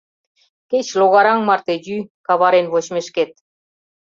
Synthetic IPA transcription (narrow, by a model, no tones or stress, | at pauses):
ket͡ɕloɣɑɾɑŋmɑrt̪ejykɑβɑɾenβot͡ɕmeʃket̪̚